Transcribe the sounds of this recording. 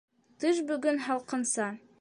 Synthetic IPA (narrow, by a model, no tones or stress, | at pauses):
t̪ɤʃbɵ̆ɡɵnɦɑlˠqɤ̆nsɑ